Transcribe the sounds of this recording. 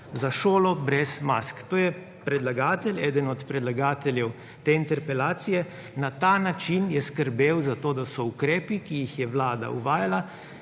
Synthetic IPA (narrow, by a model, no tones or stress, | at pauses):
zaʃoːlɔbɾɛzma̰skt̪oːjɛ | pɾɛd̪laɡaːt̪ɛlɛːd̪ənɔt̪pɾɛd̪laɡaːt̪ɛljɛw | t̪eːint̪ɛɾpɛlaːt̪sijɛ | nat̪anat͡ʃinjɛskəɾbeːwzat̪oːd̪asɔukɾɛːpikijixjɛʋlaːd̪a̰ṵʋaːjala